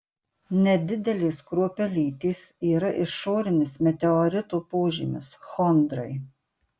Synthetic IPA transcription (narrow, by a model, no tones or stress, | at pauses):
nʲɛd̪ʲɪd̪ʲɛlʲeːskɾuɔpʲɛlʲiːt̪ʲiːsiːɾɐʔɪʃoːɾʲɪnʲɪsmʲɛt̪ʲɛɔɾʲɪt̪uːpoːʒʲiːmʲʊ̰sxɔnd̪ɾɐɪ